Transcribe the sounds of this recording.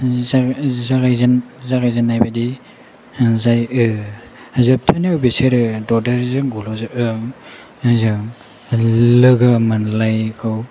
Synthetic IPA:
zazaɡajzanzaɡajzanːajbadi | zajɯ | zɯp̚tʰaniawbeseɾɯdɔdaɾzɯŋɡulɔzɯʔɯŋ | zɯŋ | lɯɡɯmanlajkʰɯw

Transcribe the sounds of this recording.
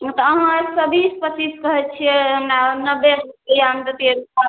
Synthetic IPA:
t̪ɔːɦãsəbʱispətiskəɦɛt͡ʃʰijɛɦəmɾanəbeɦamd̪ət̪ieɾua

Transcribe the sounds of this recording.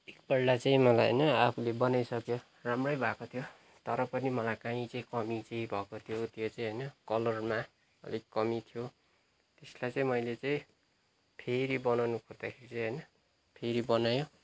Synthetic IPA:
ek̚bʌɽɖat͡saĩmʌlajɦʌ̰jnʌapʰulebʌnajsʌkjo | ramrʌjbʱakot̪ʰjo | t̪ʌɾʌpʌnimʌlajkaĩt͡saĩkʌmit͡saĩbʱʌkot̪ʰijot̪jot͡saĩɦʌjnʌkʌlʌrma | ʌ̰lekːʌmit̪ʰjo | t̪eslajt͡sʌĩmʌjlet͡saĩ | pʰeɾibʌnawnukʰʌrd̪akʰeɾit͡sʌĩɦʌjnʌ | pʰeɾibʌnajõ

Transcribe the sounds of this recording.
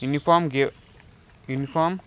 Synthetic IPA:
junifɔmɡe | junifʰɔm

